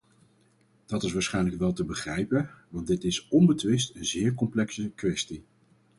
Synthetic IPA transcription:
d̥ɑtɪsʋaːɹsχɛjnləkʋɛlˠtəbəχrɛjpəʋɑndɪtɪsɔnbətʋɪstənzɪːɹkɔmplɛksəkʋɛsti

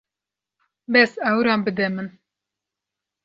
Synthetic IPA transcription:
bɛsɛwɾɑːnbɨd̪ɛmɨn

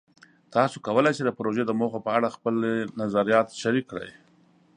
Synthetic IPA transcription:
t̪ɑsokawəlajt͡ʃed̪əpɾoʒed̪əmoxopəaɽaxpəlnazaɾijɑt̪ʃaɾikːɽa̰j

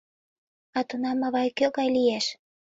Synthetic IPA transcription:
ɑt̪unɑmɑβɑjkøɣɑjliæʃ

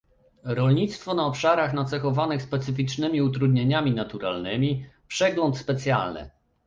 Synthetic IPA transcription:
ɾɔlɲit̪st̪fɔnaɔpʂaɾaxnat̪sɛxɔvanɘxspɛt̪sɘfʲit͡ʂnɘmʲiut̪̬ɾud̪ɲeɲamʲinat̪uɾa̰lnɘmʲipʂɛɡlɔnt̪spɛt̪sʲja̰lnɘ̰

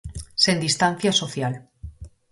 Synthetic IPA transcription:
sẽnd̪ist̪an̟θjasoθjal

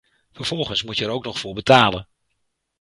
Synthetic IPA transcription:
fəɹv̥ɔlˠχənsmucjəɛɾowknɔχfʊːɹbətaːlən

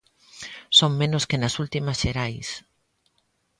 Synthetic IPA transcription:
soŋmẽnoskenɐsult̪imɐsʃeɾajs

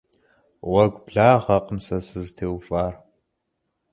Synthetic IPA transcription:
wɐɡʷʼbɮaːʁɐqʼəmsɐsɨztʰeːwfʼaːr

